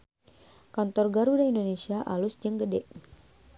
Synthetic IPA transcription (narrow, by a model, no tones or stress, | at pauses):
kant̪ɔrɡaɾudaindonesiaʔalʊsd͡ʒəŋɡədɛ̰ʔ